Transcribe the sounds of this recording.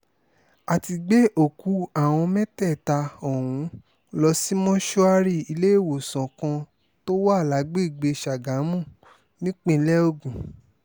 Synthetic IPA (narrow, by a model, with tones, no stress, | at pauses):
a˨ti˧ɡ͡be˦ʔo˦˨ku˨˦a˦˨w̃ɔ̃˧mɛ˦tɛ˦˨ta˧o˨wũ˨˦ | lɔ˧si˦mɔ̃˦ʃo˦a˧ɾi˦˨i˧le˦e˦˨wo˨sã˨kã˧ | to˦wa˦˨la˨˦ɡ͡be˦i˦˨ɡ͡be˧ʃa˨ɡa˨˦mũ˦˨ | nĩ˦k͡pĩ˦˧˦lɛ˦o˦˨ɡũ˨